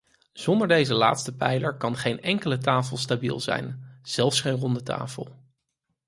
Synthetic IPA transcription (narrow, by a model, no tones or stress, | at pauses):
z̥ɔndəɹdejzəla̰ːtstəpɛjləɹkɑnχejnɛŋkələtaːfəlˠstabḭlˠzɛ̰jnz̥ɛlˠfsχejnrɔndətʰa̰ːfə̰lˠ